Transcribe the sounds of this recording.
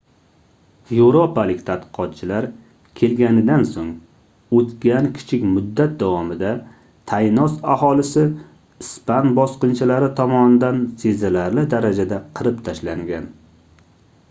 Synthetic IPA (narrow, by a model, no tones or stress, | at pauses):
jewɾopalɪkʲt̪ʰat̪̚qɨ̥qʰɒt̪̚t͡ʃʰɪlaɾ | kʲʰe̞lɡʲanɪd̪ansoŋ | ot̪kʲankʲʰɪ̥t͡ʃʰɪkʲmʊd̪ːat̪̚d̪awɒmɪd̪a | t̪ʰajnɒsaɦɒlˠɪsɪ | ɪspanbɒsqɨnt͡ʃʰɪlaɾɪt̪ʰɒmɒnɪd̪ansezalaɾlɪd̪aɾad͡ʒad̪aqʰɨɾɪpt̪ʰaʃlaŋɡʲan